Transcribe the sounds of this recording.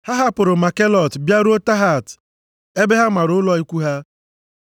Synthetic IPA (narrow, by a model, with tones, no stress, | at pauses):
ha˦ɦa˦pʊ˨ɾʊ˨ma˨ke˦lɔ˨tbja˦ɾu˦o˦ta˦ɦa˨t | e˦be˦ɦa˦ma˨ɾʊ˨ʊ˦lɔ˦i˦kʷu˦ɦa˦